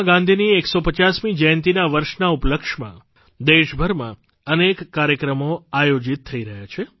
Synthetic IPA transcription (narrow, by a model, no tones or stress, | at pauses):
ɡãnd̪ʱinieksopət͡ʃasmid͡ʒəjnt̪inaʋəɾʃnaupləkʃmã̰ | d̪eʃbʱəɾmã̰ | ənekːaɾjəkɾəmoajod͡ʒit̪ʰːəiɾəɦjat͡ʃʰe